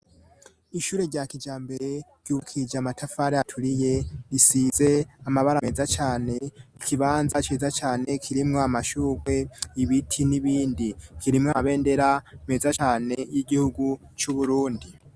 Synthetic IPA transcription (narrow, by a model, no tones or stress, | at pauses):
iʃuːɾe̞ɾɟakid͡ʒaːmbe̞ɾeɾ̥ɟ̥uukʰid͡ʒamatʰafaːɾeatʰuɾije̞ɾisiːze̞amaβaɾaezat͡ʃaːne̞ikʰiβaːnzat͡ʃiːzat͡ʃaːne̞kʰiɾimŋoamaʃuːɡe̞iβitʰiniβiːndikʰiɾimŋoaβe̞ːnde̞ɾame̞ːzat͡ʃaːne̞jiɡihuɡu | t͡ʃuβuɾuːndi